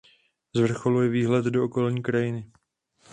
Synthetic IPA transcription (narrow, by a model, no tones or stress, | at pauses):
zvr̩xo̞lujɛviːɦlɛt̪dooko̞lɲiːkɾajɪnɪ